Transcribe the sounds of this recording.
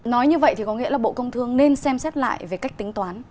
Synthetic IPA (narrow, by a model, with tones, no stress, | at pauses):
nɔ˨˦jɲɨ˧və̰˧˨jt̪ʰi˨˩kɔ˨˦ŋḭ˧˥əlaː˨˩ɓo̰˧˨kə˧wŋ͡mt̪ʰɨ˧əŋne˧nsɛ˧msɛ˦˥t̚la̰ː˧˨jve˨˩ka˦˥jk̚t̪ï˨˦ŋ̟t̪waː˨˦n